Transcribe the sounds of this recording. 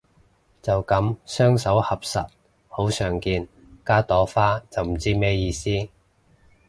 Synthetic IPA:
t͡sɐ˨wkɐ˨˥msœː˥ŋsɐ˨˥whɐ˨p̚sɐ̰˨t̚ | ho˨˥wsœː˨˩ŋkiː˧n | kaː˥t̪ɔː˨˥faː˥t͡sɐ˨wm̩˨˩t͡siː˥mɛː˥jiː˧siː˥

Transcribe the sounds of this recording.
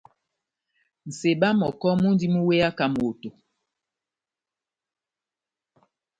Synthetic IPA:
n̩˨se˨ɓa˦mɔ˨kɔ˦mu˦n˦di˦mu˦we˦a˦ka˦m˨o˨to˨

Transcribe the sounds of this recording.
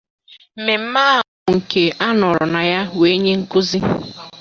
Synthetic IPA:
m̩˨me˨m̩˦ma˦˨ʊ˨ŋ̩˨ke˨ʔa˦nɔ˨ɾʊ˨na˨ja˦we˦ɲe˦ŋ̩˦kʊ˦zi˦

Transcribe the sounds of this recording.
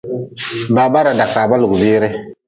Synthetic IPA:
baː˨ba˦ɾa˨da˨kːa˨ba˦lʊ˨ɡbɪː˦ɾɪ˦

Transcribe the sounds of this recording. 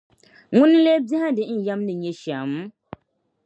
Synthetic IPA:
ŋʊ̃˦n˦le˦bi˦hã˦dɪ˨˦n̩˨ja˦mnɨ˨ɲɛ˨ʃa˨m˦

